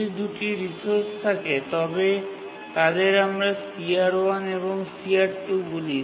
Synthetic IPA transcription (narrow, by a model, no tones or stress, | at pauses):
id̪uʈiɾisoɾst̪ʰaket̪ɔbe | t̪ad̪eɾamɾasiaɾoaneβoŋsiaɾʈuɡuli